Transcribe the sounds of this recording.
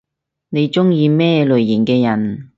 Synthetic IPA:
ne˨˧jt͡sʊ˥ŋjiː˧mɛː˥lɵ˨ɥjiː˨˩nkɛː˧jɐ˨˩n

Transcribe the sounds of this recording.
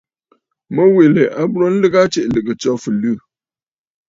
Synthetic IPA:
mə˦we˨le˨ʔa˦bɾo˦n̩˦lɨ˦ɡa˦t͡ʃe˦ʔlɨ˨ɡɨ˨t͡sɔ˦fɨ˨lʉ˦˨

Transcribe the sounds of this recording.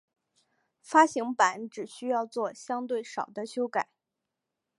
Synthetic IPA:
fa˥ɕi˧˥ŋpa˧˥˦nʈ͡ʂɻ̩˨˩ɕy˥jɑ˥˧ʊt͡swɔ˥˩ɕjɑ˥ŋt̪we˥˩ɪʂɑ˨˩ʊd̪ə˦ɕjo˥ʊka˨˩˦ɪ

